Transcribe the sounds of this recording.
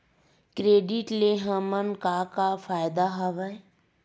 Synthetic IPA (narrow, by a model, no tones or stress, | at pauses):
kɾeːɖɪʈleɦəmənkakafaːjd̪aɦɐʋɛ